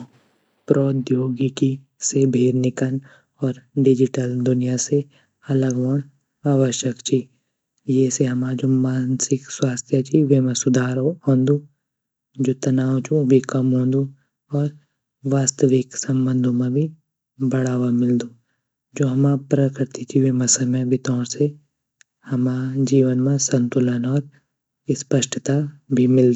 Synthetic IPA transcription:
pɾɔːd̪joːɡiki | sebʱeːɾnɪkən | ɔːɾɖɪd͡ʒɪʈəld̪ʊnijase | ɐləɡʋəɳ̃ | aːʋəʃjəkt͡ʃʰi | jeseɦɐmaːd͡ʒoːmaːnsɪkswaːst̪ʰjət͡ʃʰiʋemẽsʊd̪ʱaːɾoɦõːnd̪u | d͡ʒoːt̪ɐnaːwt͡ʃũbʱikɐmɦõːnd̪ũ | ɔːɾ | ʋaːst̪əʋɪksɐ̃mbə̃nd̪ʱõmẽbʱi | bɐɽaːʋamɪld̪ũː | d͡ʒoːɦɐmaːpɾəkɾɪt̪it͡ʃʰiʋemɐ̃sɐməbʱɪt̪ɔːɾse | hɐmad͡ʒiːʋənmãsɐ̃nt̪ʊlənɔːɾ | spəʃʈʰət̪abʱimɪld̪

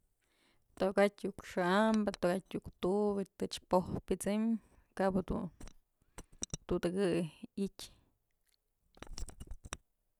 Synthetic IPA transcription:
t̪okatʲjukʂɨʔambɨt̪okatʲjukt̪ubit̪ɨt͡ʃpohpit͡sɨm | kabɨd̪ṵ | t̪ut̪ɨɡɨitʲ

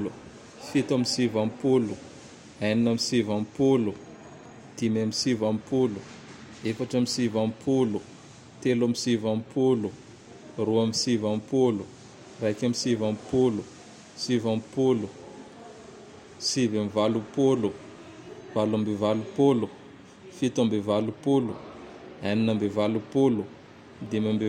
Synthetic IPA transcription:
lu | fit̪amisivampolu | ajninamisivampolu | d̪̥imamisivampolu | efaʈ͡ʂamisivampolu | t̪elamisivampolu | ruamisivampolu | rajkʲamisivampolu | sivampolu | sivamivalupolu | valambevalupolu | fit̪ambevalupolu | aninambevalupolu | d̪imambe

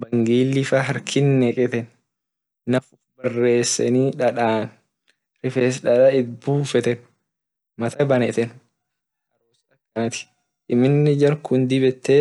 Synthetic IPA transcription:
bɐŋɡiːlːɪfɐɦɐɾkʰɪnːɛkʼɛt̪ɛnː | ɐfʊfbɐrːe̞ːsːɛ̰niːᶑɐᶑaːn | ɾɪfeːsᶑɐᶑɐɪt̪̚buːfɛt̪ɛn | mɐt̪ʰɐbɐnɛt̪ɛn | hɐɾoːsɪᶑɐkːɐnɐt̪ɪ̥ | ʔɪmɪnːɪd͡ʒɐɾkʊnd̪ɪbɛt̪ːe

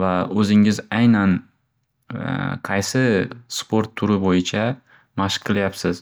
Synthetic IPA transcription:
vaɵzɪŋɪzajnan | qʰɑjsɪspʰoɾt̪ʰːʊɾɪbojɪt͡ʃʰa | maʃqʰlajapsɪz̥

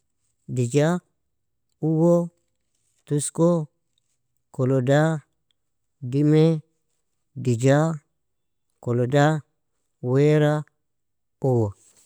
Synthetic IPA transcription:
did͡ʒa | uwo | tusko | koloda | dime | did͡ʒa | koloda | weɾa | uwo

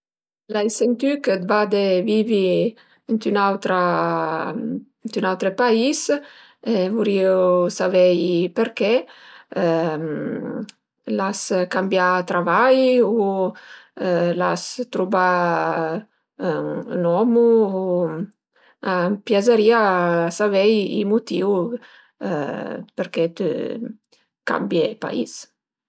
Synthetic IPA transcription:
lajsent̪ykət̪vad̪evivi | ənt̪ynawt̪ɾa | nt̪ynawt̪ɾəpais | evuɾiosavɛjpeɾkɛ | laskambjat̪ɾavaju | la̰st̪ɾuba | nɔmu | apjazəɾiasavɛjḭmut̪iw̰ | pəɾkɛt̪ə̰ | ka̰mbjepa̰ḭs

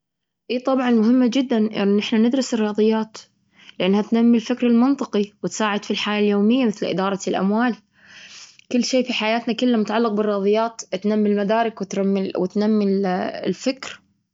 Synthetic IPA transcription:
ʔiːt̪ˤɑbʕɑnmʊɦɪmːad͡ʒɪd̪ːanʔɪ̰nːʔɪħnanɪd̪ɾɪsɪrːɑːðˤɨjːaːt̪ | lɪʔanːhat̪namːilfɪkɾɪlmɪnt̪ˤɨqiwɪt̪saːʕɪd̪filħaːjaljoːmɪjːamɪθlʔɪ̰d̪ɑːɾˤɑlʔa̰mwaːl | kɪlːʃeːfiħajaːt̪nakʊlːamʊt̪aʕalːɪq̚bɪrːɑːðˤɨjːaːt̪t̪namːɪlmad̪aːɾˤɪkwɪt̪ɾamːwɪt̪namːɪllfɪkɾ

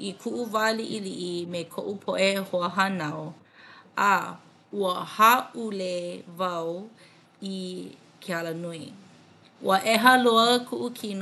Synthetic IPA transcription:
ʔikʰuʔuvaliʔiliʔimekʰo̰ʔupʰoʔehoəɦanɐw | a | uəhaʔulevɐw | i | kʰealənui | ʔṵəʔɛɦəloəkʰuʔukʰin

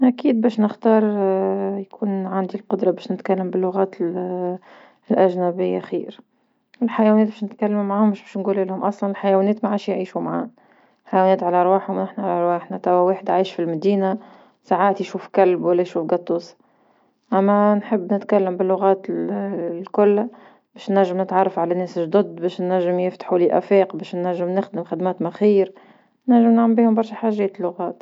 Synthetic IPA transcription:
ʔækiːd̪̚bɛːʃnɪxt̪ɑːɾˤjkʰuːnʕand̪ilqʊd̪ɾˤɑbɛːʃnɪt̪kælːəmbɪlːʊɣæːt̪ | lʔæʒnæbɪjːa̰xḭːɾ | ɪlħajæwɛnɛːt̪̚bɛːʃnɪt̪kælːmumʕaːhʊmʊʃbɛʃnɡuːlʔɪlhʊmʔɑsˤlɑnɪlħajæwæːnɛːt̪maʕaːʃjʕiːʃumʕa̰ːn | lħajwænɛːt̪ʕalæʔɑɾˤwaːħhʊmnɪħnaʕalæʔɾˤwaːħnat̪æwæweːħɪd̪ʕiːʃfilmæd̪iːna | saʕaːt̪jʃuːfkalbwalːæjʃuːfɡɑt̪ˤːuːs | ʔæmːænħɪbːnɪt̪kælːɪmbɪlːʊɣaːt̪ | lkʊlːa | bɛːʃnæʒːɪmnɪt̪ʕɑrˤːɑfʕalænɛːsʒd̪ʊd̪bɛːʃnːæʒːɪmjɪft̪ḁħuliʔæ̰fɛːqbɛːʃnːæʒːɪmnɪxd̪ɪmxɪd̪mæːt̪mæxiːɾ | næʒːɪmnʕambiːhʊmbɑɾˤʃaħaːʒɛːt̪ɪlːʊɣaːt̪

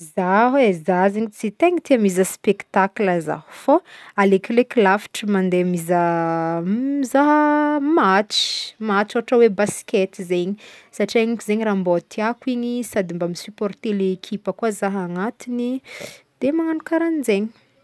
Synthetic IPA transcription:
zaɦezaɦzeɲit͡sit̪eŋit̪eamizəspekt̪akləza̰hu̥foalekleklafi̥ʈ͡ʂəmand̪emizə | zaɦəmat͡ʃi̥mat͡ʃoaʈ͡ʂawebasi̥kʲet̪izeɲisaʈ͡ʂiaɲikuzeɲirambot̪ʰiakiɲisad̪imbamisypɔrt̪eleekʰipəkuazaɦaŋat̪inid̪̥emaŋanukaɾanizeɲi̥

